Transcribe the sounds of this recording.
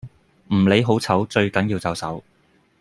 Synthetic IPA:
m̩˨˩le˨˧jɦo˨˥wt͡sʰɐ˨˥wt͡ʃɵ˧ɥkɐ˨˥njiː˧wt͡sɐ˨˧wsɐ̰˨˥w

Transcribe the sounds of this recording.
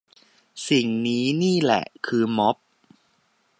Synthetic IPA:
si˨˩ŋniː˦˥niː˥˩lɛ̰˨˩ʔkʰɯː˧mo˦˥p̚

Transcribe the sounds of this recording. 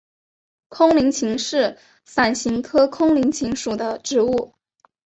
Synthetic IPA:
kʰʊ˥ŋli˧˥ŋt͡ɕʰi˧˥ŋʂɻ̩˥˩ | sa˨˩nɕi˧˥ŋkʰɤ˥kʰʊ˥ŋli˧˥ŋt͡ɕʰi˧˥ŋʂu˨˩d̪ə˦ʈ͡ʂɻ̩˧˥u˥˩

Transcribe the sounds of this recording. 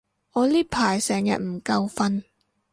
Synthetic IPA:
ŋɔː˨˧liː˥pʰaː˨˩jsɛː˨˩ŋjɐ̰˨t̚m̩˨˩kɐ˧wfɐ˧n

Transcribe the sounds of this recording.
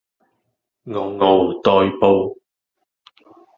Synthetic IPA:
ŋɔ˨˩wŋo˨wt̪ɔː˧jpo˧w

